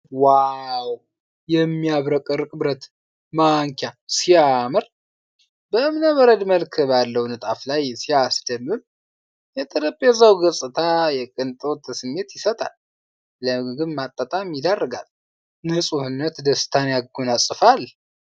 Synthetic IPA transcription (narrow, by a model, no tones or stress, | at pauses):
wajaw | jɛmːiaβɾəkʼɨɾkʼɨbɾət̪ | maŋkʰasiamɨɾ | bəmɨnəβəɾəd̪məlkʰɨbalːəwnɨt̪ʼaflajsiasd̪əmːɨβ | jɛt̪ʰəd̪əpʼːjɛzawɡəsʼɨt̪ʰajɛkʼɨnt̪ʼot̪ʰəsɨmːe̞t̪jɪsət̪ʼa̰lː | əɡɨnmat̪ʼːət̪ʼamːid̪arːəɡal | nɨsʼuhɨnːət̪d̪əst̪ʰanjaɡɡonasʼɨfal